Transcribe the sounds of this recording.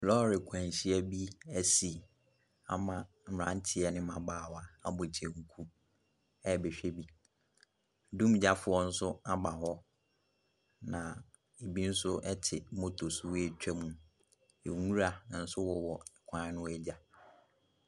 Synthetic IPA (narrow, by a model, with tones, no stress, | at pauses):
lɔ˦ɾɪ˨kʷʰã˨n˨ɕi˦ɛ˦bi˦æ˨si˨ | a̰˨mã˨ | m̩˨ã˨n̩˦tʰɪ˦ɛ˨nɪ̃˦mã˨baː˦˨wa˨a˨bo˨t͡ɕʰe˨ŋ̩˨kʰu˦ | ɛ˦˨be˨ɕᶣɛ˦bi˦˨˦ | dũ˦m˦d͡ʑa˦fʊ˨ɔ˦n̩˦sʊ˦a˦ba˨hɔ˦ | nã˨ | e˨bi˦n̩˦sʊ˦ɛ˦tʰɪ˨˦mo˦tʰo˨su˨we˦t͡ɕᶣɛ˦mũ˨ | e˨ŋũ˦ɾa˨nã˨n̩˦sʊ˦wɔ˦wɔ˨ɛ˨kʷʰã˦nʊ̃˦ɛ˦d͡ʑa˨